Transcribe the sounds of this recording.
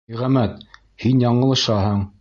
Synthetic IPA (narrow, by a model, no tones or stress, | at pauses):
iʁæmæt̪ | hinjɑɴɤ̆lˠɤ̆ʃɑɦɤɴ